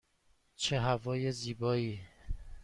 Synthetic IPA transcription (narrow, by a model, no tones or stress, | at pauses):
t͡ʃʰeɦævɒːjeziːbɒːiː